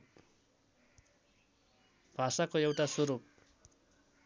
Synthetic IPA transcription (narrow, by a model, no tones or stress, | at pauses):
b̥ʱasakoewʈasuɾup̚